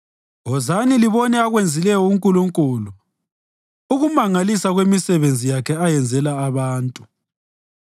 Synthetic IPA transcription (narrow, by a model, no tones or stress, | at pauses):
ɔzaniliβɔnɛaɣwend͡zʱilɛjɔuŋkʼuluŋkʼulu | uɣumaŋalisaɣwemisɛβend͡zʱijakʰɛajɛnd͡zʱɛlaːβaːntʼu